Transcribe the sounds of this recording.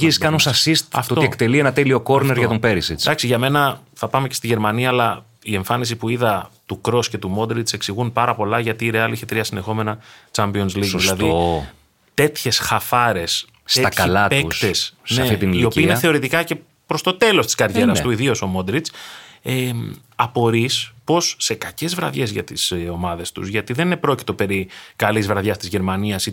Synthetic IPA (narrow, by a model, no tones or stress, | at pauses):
iziskɐnusɐsist̪ɐ̰ft̪ooekt̪elienɐt̪elio̞ko̞ɾneɾʝɐt̪ompe̞ɾisit͡stɐksiʝɐme̞nɐ | θɐpɐme̞ce̞st̪iʝe̞ɾmɐniɐːlɐ | ie̞ɱfɐnis̬ipuiðɐt̪ukɾo̞sce̞t̪umo̞d̪ɾit͡se̞ksiɣunpɐɾɐpo̞lɐʝɐt̪iːɾe̞ɐliçet̪ɾiɐsind̪e̞xo̞me̞nɐt͡ʃɐmpio̞nzliɡsoðsilɐðio | t̪e̞t̪çe̞sxɐfɐɾe̞s | st̪et̪ɐɐlɐtpeukst̪esneɐft̪it̪inio̞piːiineθe̞o̞ɾit̪ikɐce̞ | pɾo̞st̪o̞t̪e̞lo̞st̪i̥skɐɾʝe̞ɾɐsst̪uiðio̞so̞mo̞d̪ɾit͡se | ɐpo̞ɾispo̞sːe̞kɐce̞zvɾɐðʝe̞zʝɐ̰t̪iso̞mɐðe̞st̪ṵzʝɐt̪iðenine̞pɾo̞ci̥t̪o̞pe̞ɾikɐlizvɾɐðʝɐst̪izʝe̞ɾmɐniɐsi